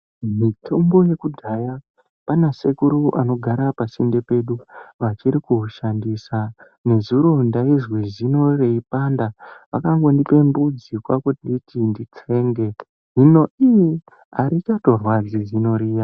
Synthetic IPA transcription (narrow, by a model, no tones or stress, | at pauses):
mitʰo̞mbo̞je̞kudʱaja | panase̞kuɾuʔa̰no̞ɡʱaɾapasinde̞pe̞ɗuʋat͡ʃiɾikuɦuʃandisa | ne̞zuɾo̞ndaizwizino̞reipandaʋakaŋɡo̞ndipe̞mbud͡zikwakutinditindit͡se̞ːŋɡe̞ | ɦino̞i | aɾit͡ʃato̞rwad͡zizino̞ɾiːja